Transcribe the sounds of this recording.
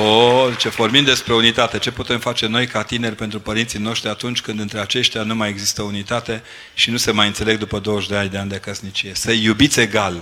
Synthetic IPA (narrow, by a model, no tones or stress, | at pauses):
od̪it͡ʃe̞formind̪d̪e̞spɾe̞unit̪at̪e̞t͡ʃe̞put̪e̞mfat͡ʃe̞no̞jkat̪ine̞rʲpe̞nt̪ɾupəɾint̪sijno̞ʃt̪ɾʲiat̪unt͡ʃʲkɨnd̪ɨnt̪ɾe̞at͡ʃe̞ʃt̪ʲanumajeɡzist̪əunit̪at̪e̞ | ʃinuse̞majɨnt̪se̞le̞ɡd̪upəd̪o̞wəʃd̪eanʲd̪eand̪eakəsnit͡ʃije̞səjubit̪sʲe̞ɡal